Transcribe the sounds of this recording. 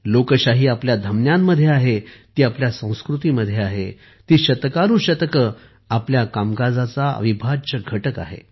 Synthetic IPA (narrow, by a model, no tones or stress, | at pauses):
lokəɕaɦiːapljad̪ʱəmnjamːəd̪ʱjeaɦet̪iːapljasə̃w̃skɾut̪iːməd̪ʱjeaɦḛ | t̪iːɕət̪kaɾũːɕət̪əkə | apljakamɡad͡zat͡saə̰ʋibʱat͡ɕəɡʱəʈəka̰ɦḛ